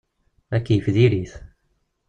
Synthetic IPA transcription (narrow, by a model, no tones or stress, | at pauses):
ækːifðiɾiθ